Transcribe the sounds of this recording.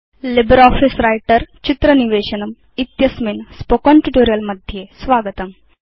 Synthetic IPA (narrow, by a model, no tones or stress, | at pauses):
libɾɔːfisɾajʈəɾt͡ɕit̪ɾɐniʋeːɕɐnɐm | it̪jɐsminspokonʈuʈoːɾijɐlmɐd̪ʱjesʋaːɡət̪ɐm